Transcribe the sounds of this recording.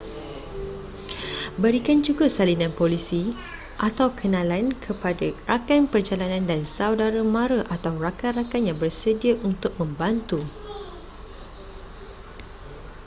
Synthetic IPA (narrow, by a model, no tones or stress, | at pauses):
bəɾikand͡ʒuɡasalinãnpolisi | ʔat̪awkʰənãlankʰəpadarakanpərd͡ʒalanãndansawdaɾamãɾaʔat̪awrakanrakanjaŋbərsədiaʔunt̪ʊk̚mə̃mbant̪u